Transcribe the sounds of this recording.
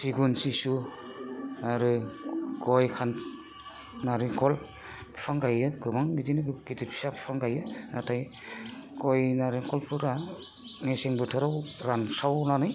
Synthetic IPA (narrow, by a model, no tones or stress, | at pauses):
siɡunsisu | aɾɯɡɔjkʰan | naɾiŋkʰɔl | pʰpʰaŋɡajɯɡɯmaŋbidinɯɡɯɡitit̚pʰi̥sapʰi̥pʰaŋɡajɯatʰaj | ɡɔjnaɾiŋkʰɔlpʰɯɾa | neseŋbɯtʰɯɾawɾansawnanɯj